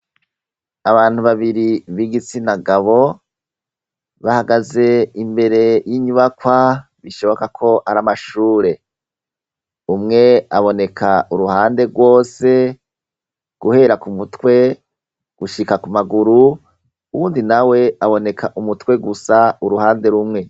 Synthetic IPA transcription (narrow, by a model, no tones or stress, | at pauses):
aβaːn̥huβaβiɾiβiɡit͡sinaɡaβo̞ | βahaɡaze̞imbe̞ɾe̞jiɲuβakwa | βiʃo̞βo̞kakʰo̞ʔaɾamaʃuːɾe̞ | umŋe̞aβo̞ne̞kʰaʔuɾuhaːnde̞ɾɡwo̞ːse̞ | ɡ̥uhe̞ɾakumutwe̞ | ɡ̥uʃikakumaɡuɾu | uwuːndinawe̞aβo̞ne̞kʰaʔumutwe̞ɡusauɾuhaːnde̞ɾumŋe̞